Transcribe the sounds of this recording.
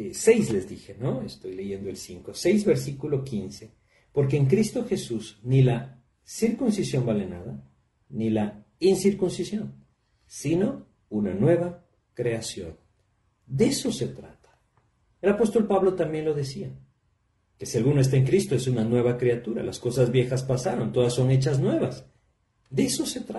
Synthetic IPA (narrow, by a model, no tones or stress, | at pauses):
ese̞jsle̞zðixe̞noest̪o̞jle̞ʝe̞nd̪oelsiŋko̞se̞jzβe̞ɾsikulo̞kinse̞ | po̞ɾk̬eːŋk̬ɾist̪o̞xe̞susnila | siɾkunsisjo̞mbale̞naða | nila | insiɾkunsisjo̞n | sino̞ | unanwe̞βa | kɾe̞asjo̞̰n | d̪eeso̞se̞t̪ɾat̪ḁ | elapo̞st̪o̞lpaβlo̞t̪ambje̞nlo̞ðesia | ke̞sialɣunoest̪aeŋkɾist̪o̞e̞sunanwe̞βakɾeat̪uɾa̰lasko̞sazβje̞xaspasaɾo̞nt̪o̞ðasːo̞ŋe̞t͡ʃaznwe̞βas | d̪eeso̞se̞t̪ɾa